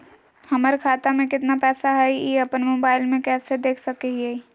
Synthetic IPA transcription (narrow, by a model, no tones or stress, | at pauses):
hɐməɾekʰaːt̪amẽkɪt̪napɛːsaɦɛiɐpənmoːbaːɪlmẽkɛːsed̪eːkʰsɐkeɦiɦɛi